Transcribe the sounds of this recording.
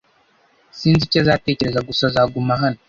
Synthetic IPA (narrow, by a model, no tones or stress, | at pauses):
siːnzicazate̞ːce̞ɾe̞zaɡusazaːɡumaɦano